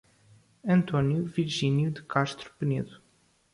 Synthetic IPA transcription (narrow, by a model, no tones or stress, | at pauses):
ɐ̃nt̪ɔnjuviɾʒinjud̪ɨkaʃt̪ɾu̥pɨneðu